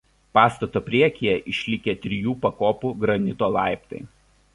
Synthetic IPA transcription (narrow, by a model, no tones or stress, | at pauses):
pɑːst̪ɐt̪oːpʲɾʲiɛkʲijɛʔɪʃʲlʲɪkʲet̪ʲɾʲɪjuːpɐkoːpuːɡɾɐnʲɪt̪oːlˠɑˑɪpt̪ɐ̰ɪ